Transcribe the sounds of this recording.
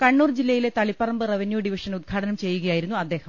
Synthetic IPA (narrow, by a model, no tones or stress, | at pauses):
kɐɳːuːrd͡ʑilːɐjile̞t̪ɐɭipːɐrɐmbɨreʋɐnjuːɖiʋiʂɐnud̪̚ɡʰʱaːʈɐnɐmt͡ɕe̞jːuɣɐjaːjiɾunːuɐd̪ːe̞ːhɐm